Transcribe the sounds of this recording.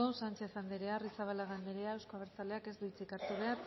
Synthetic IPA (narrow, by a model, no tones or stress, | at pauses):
osant͡ʃe̞θand̪eɾearisaβalaɣand̪eɾeaewskoβeɾt͡sale̞ake̞zd̪uit͡sikaɾt̪uβe̞aɾ